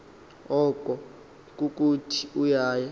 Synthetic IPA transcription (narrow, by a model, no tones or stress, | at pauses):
ɔkʼɔ | k̬ʼuk̬ʼutʰi̥ujaːja